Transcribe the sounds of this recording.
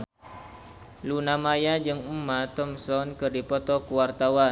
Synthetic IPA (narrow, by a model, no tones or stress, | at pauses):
lunamajad͡ʒɨŋumat̪ɔmsɔnkɨrdipɔt̪ɔkuwart̪awan